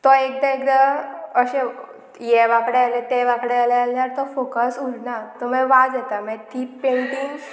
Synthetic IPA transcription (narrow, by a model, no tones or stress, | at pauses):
t̪ɔek̚d̪ãekd̪aəɕẽ | jɛʋakɽealet̪ɛʋakɽealɛalnjaɾt̪ɔfokəsuɽnat̪ɔmə̃ʋad͡zɛt̪amɛ̃t̪ipẽɳʈiŋɡs